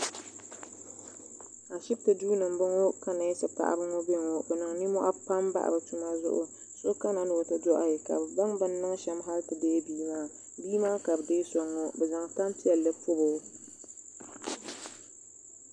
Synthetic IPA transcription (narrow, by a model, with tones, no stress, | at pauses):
a˨ʃɪ˦b̚tɨ˨duː˦nɨ˨mbɨ˦ŋo˦ka˦na˨ɛ˦sɨ˨pa̰˨ʔa̰˨bɨ˦ŋɔ˦be˦˨ŋo˦bɛ˨nɨ˨ŋni˦mɔ˦ʔa̰˦pa˦mba̰˦ʔa̰˨bɨ˨tu˦ma˦zʊ̰˦ʔʊ̰˦ | so˦ka˦na˨n˨o˨tɨ˦dɔ˦ʔa˨jɛ˨ka̰˨bɨ˨ba˦ŋbɨ˦nːɨ˦ŋ˦ʃɛ˦mɦa˦ltɨ˨deː˦biː˦maː˦ | biː˦maː˦ka˨bɨ˨deː˦sɔ˨ŋːɔ˦bɛ˨za˨ŋta˦mpi˦ɛ˨lːɨ˦pʊ˦bʊ˨˦